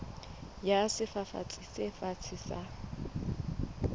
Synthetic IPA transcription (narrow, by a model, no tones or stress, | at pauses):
jasɪfafa̰t͡sʼisefat͡sʰisa